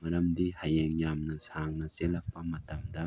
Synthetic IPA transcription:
mɐɾɐmd̪ihɐjeŋjamnɐsaŋnɐselɐk̚pɐmɐt̪ɐmd̪ɐ

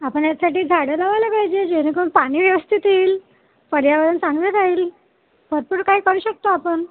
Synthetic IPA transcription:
apəɳjasaʈiːd͡zʱaɽelaʋalebajd͡ʑed͡ʑeɾĩkonpaɽ̃iːʋjeʋəst̪ʰit̪iːl | pəɽjaʋaɾənsãŋɡneɾaiːl | bʱəɾpuːɽkaɦiːkəɾuːɕək̚t̪oapəɳ

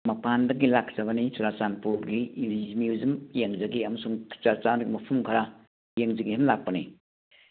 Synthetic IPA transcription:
mɐpandɐɡilak̚zɐβɐnisuɾat͡ʃanpuɾɡimjuzimjeŋd͡ʒɐɡiɐmɐsuŋʰt͡ʃaɾt͡ʃanɡimɐpʰumkʰɐɾa | jeŋziŋihemlak̚pɐni

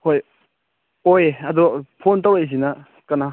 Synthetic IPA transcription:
hoj | ojɐdɔpʰontawajs̬inɐ | kɐna

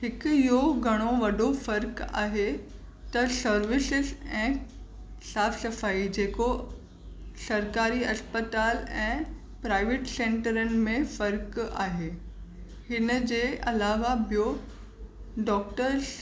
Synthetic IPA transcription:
ɦɪkijoɡʱɐɽ̃oʋɐɗofɐɾka̰ːɦe | t̪ɐsɐɾʋɪsɪzɛ̃ː | saːfsɐfaːid͡ʑeːko | sɐɾkaːɾiɐspət̪aːlɛ̃ː | pɾaːɪʋeːʈsẽːɳʈəɾənɪ̆mẽfɐɾka̰ːɦeː | hɪnəd͡ʑeːʔɐlaːʋabijo | ɖɔːk̚ʈəɾz

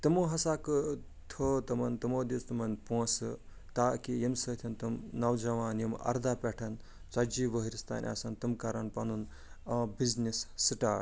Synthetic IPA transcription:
t̪ɐmoɦɐsaːkɨ | t̪ʰot̪ɐmɐnt̪ɐmoːd̪ist̪ɐmɐnpõːsɨ | t̪aːkijemsɐt̪ʰɐnt̪ɐmnɐwd͡ʒɐʋaːnjimɐ̰ɾd̪aːpʲeʈʰɐn | t͡sɐd͡ʒiʋɐɦiɾist̪a̰ːnʲʔa̰sɐnt̪ɨmkaɾɐnpɐnun | biznisːiʈaː

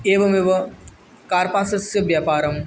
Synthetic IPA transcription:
eːʋɐmeʋɐ | kaːɾpãːsɐsjɐʋjaːpaːɾɐm

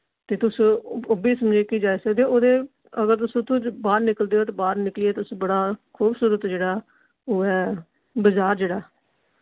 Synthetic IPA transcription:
t̪eːt̪ʊsobiːsəmd͡ʒeːkiːd͡ʒaːeːsəɡd̪eːoːd̪eː | əɡəɾt̪ʊsõːt̪ʰũbaːɾnɪkəld̪eːoːt̪eːbaːɾnɪklieːt̪ʊsbəɽaːkʰuːbsuːɾət̪d͡ʒeːɽaː | oːɛː | bəzaːɾd͡ʒeːɽaː

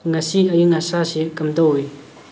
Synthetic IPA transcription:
ŋasiɐjiŋasasikɐmdɔwj

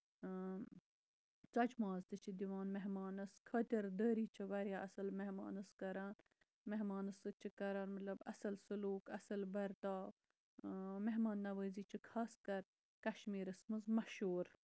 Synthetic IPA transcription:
t͡sɐt͡ʃmaːzt̪ɨt͡ʃʰid̪iʋaːnmeɦmaːnɐskʰɐːt̪ʲɐɾd̪əːɾiːt͡ʃʰɐʋɐɾʲjaːʔɐsɐlmeɦma̰ːnɐskɐɾaːn | meɦmaːnɐsɨt͡ʃʰikɐɾaːnmɐt̪lɐbɐ̰sɐlsɨluːkɐsɐlbɐɾt̪aː | meɦmaːnːɐʋəːziːt͡ʃʰikʰaːskɐɾ | kɐʃmiːɾɐsmɨzmɐʃuːɾ

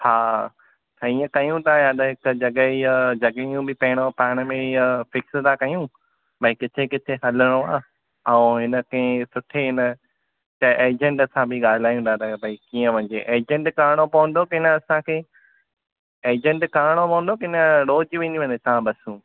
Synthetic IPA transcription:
haː | t̪ɐiːə̃kɐjũt̪ajaːd̪ɦɪkd͡ʑɐɠəid͡ʑɐɠəijũbɪpɐɦɪɽ̃opaːɪɽ̃əmẽiəfɪksəd̪akɐjũ | bɐikɪt̪ʰekɪt̪ʰeɦɐləɽ̃oaː | ɐũɦɪnə̆kɐ̃ɦɪ̃sʊʈʰeɦɪnə | t͡ɕɐʔeːd͡ʑə̃ɳʈsãbʱɪɠaːlɪlaːjũt̪ʰat̪ɐbʱɐikiːə̃ʋɐ̃ɲd͡ʑeʔeːd͡ʑə̃ɳʈkaːɽ̃opɐʋʊ̃n̆d̪okɪnəɐsãkʰeː | eːd͡ʑə̃ɳʈkaːɽ̃opɐ̃ə̃n̆d̪okɪnəɾoːd͡ʑʋẽːnd̪iʋẽɲd̪et̪ɐɦãɓɐsũː

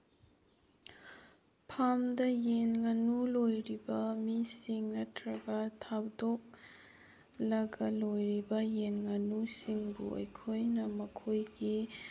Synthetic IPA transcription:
pʰamdɐjenŋɐnulojɾibɐmisiŋnɐtɾɐɡɐtʰabdok̚ | lɐɡɐlojɾibɐjenŋɐnusiŋbṵɐ̰jkʰojnɐmɐkʰojɡi

